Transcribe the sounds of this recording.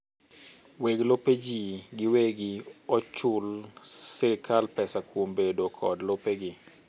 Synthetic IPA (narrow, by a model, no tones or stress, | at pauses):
weɡloped͡ʒiɡɪweɡɪɔt͡ʃʊlsɪɾɪkʰalpɛsakwombedokʰɔdlopeɡɪ